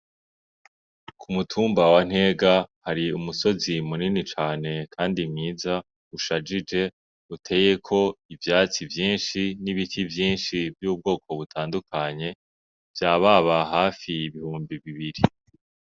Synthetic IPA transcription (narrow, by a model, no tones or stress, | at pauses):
kʰumutʰuːmbawan̥he̞ːɡahaɾiumuso̞zimuninit͡ʃaːne̞kʰaːndimɲiːza | uʃad͡ʒid͡ʒe̞ | utʰe̞ːje̞kʰo̞ivjaːt͡sivjiːnʃiniβifivjiːnʃivjuːb̚ɡo̞ːkʰo̞βutʰaːndukʰaɲe̞ | v̥jaːβaβaɦaːfiːβihuːmbiβiβiɾi